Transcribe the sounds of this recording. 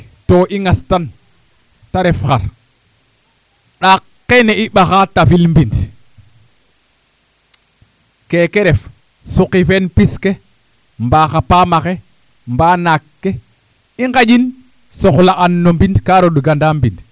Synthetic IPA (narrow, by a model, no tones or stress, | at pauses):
toʔiŋastan | taɾɛfxaɾ | ɗakːeneʔiɓaxatafilmbind | kekeɾɛf | suqifenpiske | mbaxapamaxe | mbanakːe | iŋɡad͡ʒin | sɔxlaʔanːombindkaɾoɗuɡandambind